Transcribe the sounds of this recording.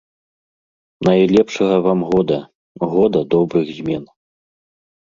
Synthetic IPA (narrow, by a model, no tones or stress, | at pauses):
najlʲɛpʂɐɣɐvamɣɔd̪ɐ | ɣɔd̪ɐd̪ɔbɾɨɣzʲmʲɛn